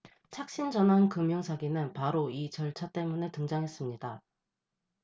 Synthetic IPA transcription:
t͡ɕʰak̚ɕ͈ind͡ʑʌnɦankɯmjʌŋsʰaɡinɯnpaɾoit͡ɕʌɭt͡ɕʰat͈e̞mune̞tɯŋd͡ʑaŋɦe̞s͈ɯmɲida

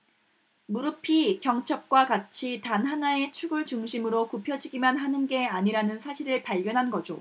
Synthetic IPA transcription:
muɾɯpʰikjʌŋt͡ɕʰʌp̚k͈wakat͡ɕʰitanɦanae̞t͡ɕʰuɡɯɭt͡ɕuŋɕʰimɯɾokupʰjʌd͡ʑiɡimanɦanɯnɡe̞aɲiɾanɯnsʰaɕʰiɾɯɭpaɭɡjʌnɦanɡʌd͡ʑo̰

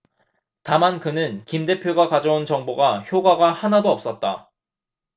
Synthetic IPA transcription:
tamankɯnɯnkimde̞pʰjoɡakad͡ʑʌunt͡ɕʌŋboɡaçjoɡaɡahanadoʌp̚s͈ʌt̚t͈a

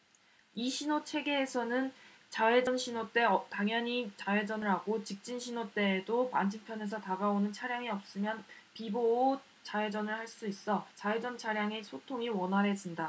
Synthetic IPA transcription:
iɕʰinot͡ɕʰe̞ɡe̞ːsʰʌnɯn | t͡ɕaed͡ʑʌnɕʰinot͈e̞ʌtaŋjʌɲit͡ɕae̞d͡ʑʌnɯɾɦaɡot͡ɕik̚t͡ɕ͈inɕʰinot͈e̞ːdopand͡ʑʰɯŋpʰjʌne̞s̬ʰʌtaɡaonɯnt͡ɕʰaɾjaŋiʌp̚s͈ɯmjʌnpiboː | t͡ɕae̞d͡ʑʌnɯɭhaɭs͈uis͈ʌt͡ɕaed͡ʑʌnt͡ɕʰaɾjaŋesʰotʰoŋiwʌnɦaɾɦe̞d͡ʑinda

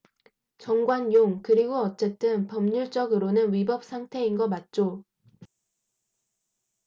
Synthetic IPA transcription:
t͡ɕʌŋɡwanjoŋkɯɾiɡoʌt͡ɕ͈e̞t͈ɯnpʌmɲuɭt͡ɕ͈ʌɡɯɾonɯnɥibʌp̚s͈ʰaŋtʰe̞inɡʌmat̚t͡ɕ͈o

